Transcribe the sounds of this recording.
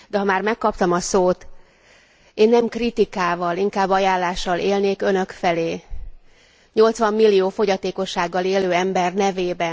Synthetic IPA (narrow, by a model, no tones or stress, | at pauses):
d̪ɛɦɒmaːrmɛkːɒpt̪ɒmɒsoːt̪ | eːnːɛmkrit̪ikaːvɒliŋkaːbːɒjaːlːaːʃːɒleːlneːkønø̞kfɛleː | ɲo̞lt̪sʋɒmːilːijoːfo̞ɟɒt̪eːko̞ʃːaːɡːɒleːløːɛmbɛrnɛveːbɛ